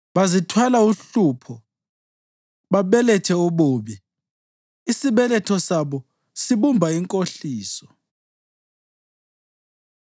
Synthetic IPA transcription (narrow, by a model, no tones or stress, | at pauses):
βazitʰwalauɬuːpʰɔ | βaβɛlɛtʰɛuβuːβi | isiβɛlɛtʰɔsaβɔ | siβumbʱaiŋkʼoɬiːsɔ